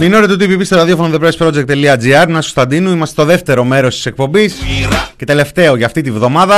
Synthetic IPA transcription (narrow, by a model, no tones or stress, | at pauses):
minoɾit̪ut̪ipipisɾɐðjofonoðepɾespɾo̞d͡ʒek̚t̪eliɐd͡ziɐɾnɐsu̥st̪ɐnd̪inuimɐst̪e̞t̪o̞ðe̞ft̪e̞ɾo̞me̞ɾo̞st̪i̥se̞k̚po̞bisce̞t̪e̞le̞ft̪e̞o̞ʝɐːft̪it̪ivðo̞mɐðɐ